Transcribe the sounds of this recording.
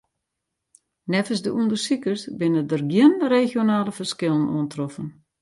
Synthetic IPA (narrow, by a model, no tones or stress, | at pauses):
nɛfəsdəʔundərsikərsbɪnədərɡjənrexjonaːləfərskɪlˠəno̰əntrɔfən